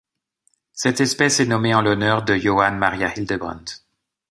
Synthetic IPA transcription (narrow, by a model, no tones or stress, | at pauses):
sɛt̪ɛspɛsɛnɔmeɑ̃lɔnœʁd̪əjɔanmaʁjahild̪əbʁɑ̰̃nt̪